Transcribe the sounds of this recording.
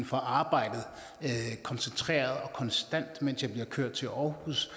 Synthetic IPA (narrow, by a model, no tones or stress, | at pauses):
n̩fɒ̽ʔɑ̈ːb̥ɑ̈ɪ̰d̥ð̩ˠ | kʰɒ̽nsent͡sʰʁɛ̰ːɐð̞ˠɒ̽kʰɒ̽nsd̥æn̰d̥men̰sjɑ̈b̥liɐkʰøɐ̰d̥̚t͡sʰe̝lʔɒʊhus